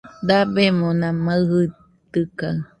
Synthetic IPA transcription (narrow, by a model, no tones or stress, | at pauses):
d̪abemõnãmaɯhɯ | t̪ɨka